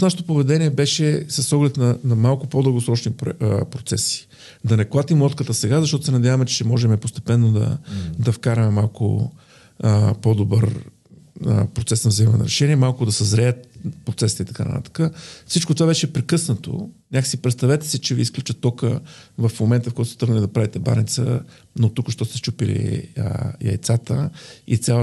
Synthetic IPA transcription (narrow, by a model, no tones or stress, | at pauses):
snaʃet̪opovɛd̪ɛniɛbɛʃɛsəsɔɡlɛt̪nɐnɐmalˠkʊpod̪əlˠɡosɾɔt͡ʃnipɾot̪sɛsi̥ | d̪ɐnɛklˠat̪imlˠɔt̪kət̪əsɛɡazɐʃt̪ɔt̪ʊsɛnɐd̪javɐmɛt͡ʃɛ̥ʃɛmɔʒɛmɛpost̪ɛ̥pɛnːod̪ɐ̰d̪ɐfkaɾɐmɛmalˠkʊ̰ | pod̪obəɾ | əpɾot̪sɛsnɐvzəimɐɛnɐ̰ɾɛʃɛniɛmalˠkʊd̪ɐsɛzɾɛət̪pɾot̪sɛsi̥t̪əit̪ɐkanɐ̰t̪a̰t̪ə̥kəfsit͡ʃkot̪ovabɛʃɛpɾɛkɤsnət̪o̰nʲakə̥sipɾɛt̪st̪ɐvɛt̪ɛ̥sit͡ʃɛviːsklʲut͡ʃət̪ːɔkəvɐfmomɛnt̪əfkoɔt̪st̪ɤɾɡnəlid̪ɐpɾavit̪ɛba̰nit̪sə̰ | not̪ukʃt̪ɔst̪ɛst͡ʃupilḭə̰jɐ̰jt̪sat̪əḭt̪sʲja